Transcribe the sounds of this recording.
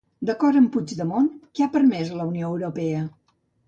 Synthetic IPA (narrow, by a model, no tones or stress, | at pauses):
d̪əkɔɾəmpud͡ʒd̪əmonkeapəɾmɛzələunioəwɾupɛə